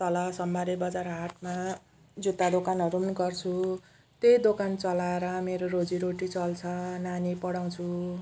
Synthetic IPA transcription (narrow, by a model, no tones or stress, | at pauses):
t̪ʌlʌsʌmbaɾebʌd͡zaɾɦaʈma | d͡zut̪ad̪okanʌɾumnuɡʌrt͡sʰu | t̪ejd̪okant͡sʌlaeɾʌmeɾoɾod͡ziɾoʈit͡sʌlt͡sʰʌnanipʌɽaw̃t͡sʰu